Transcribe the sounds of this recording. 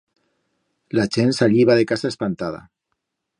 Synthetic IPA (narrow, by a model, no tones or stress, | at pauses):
laʒensaʎiβaðekasaespant̪aða̰